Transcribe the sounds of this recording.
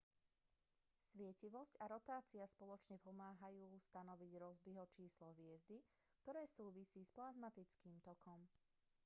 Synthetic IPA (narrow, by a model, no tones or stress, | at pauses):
sʋɪɛciʋɔscaɾɔt̪aːt͡siaspɔlɔt͡ʃɲɛpɔmaːɦajuːst̪anɔʋiɟɾɔzbiɦɔt͡ʃiːslɔɦʋɪɛzd̪i | k̚t̪ɔɾɛːsuːʋisiːsplazmat̪it͡skiːmt̪ɔkɔm